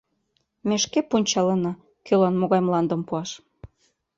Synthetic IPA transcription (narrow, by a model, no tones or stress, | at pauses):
meʃkepunʲt͡ɕɑlɤnɑ | kølɑnmoɣɑjmlɑnd̪ə̆mpuɑʃ